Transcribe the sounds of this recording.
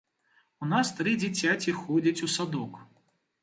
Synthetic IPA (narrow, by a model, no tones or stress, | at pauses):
unast̪ɾɨd͡zʲit͡sʲat͡sʲixɔd͡zʲɐt͡sʲusad̪ɔk